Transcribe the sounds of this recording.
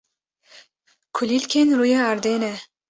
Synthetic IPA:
kʰulilkʲʰenɾujeaɾd̪ene

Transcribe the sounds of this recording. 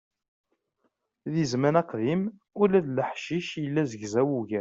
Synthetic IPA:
ðizmænæqðim | ulæðləħʃiʃjəlːæzəʝzæwuʝæ

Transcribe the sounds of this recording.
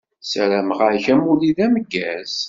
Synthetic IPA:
sæɾæmʁaɾçæmuliðæməɡːæz̥

